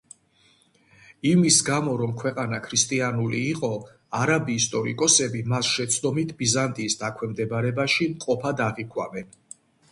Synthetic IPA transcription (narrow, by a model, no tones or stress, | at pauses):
imisɡamɔɾɔmkʰwɛqʼanakʰɾist̪ʼianuliːqʼɔ | aɾabiːst̪ʼɔɾḭkʼɔsɛbimasʃɛt̪sʰd̪ɔmit̪ʰbizant̪ʼiːsd̪akʰwɛmd̪ɛbaɾɛbaʃimqʼɔpʰad̪aʁikʰwa̰mɛn